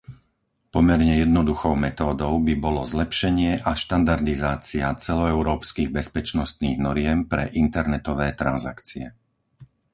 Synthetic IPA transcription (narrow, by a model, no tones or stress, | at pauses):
pɔmɛɾɲɛjɛd̪̚nɔd̪uxɔʊmɛt̪ɔːd̪ɔʊbibɔlɔzlɛpʃɛɲɪɛʔaʃt̪and̪aɾd̪izaːt͡siat͡sɛlɔɛʊɾɔːpskiːɣbɛspɛt͡ʃnɔst̪niːɣnɔɾɪɛmpɾɛ̰ʔint̪ɛɾnɛt̪ɔʋɛːt̪ɾa̰nza̰kt͡siɛ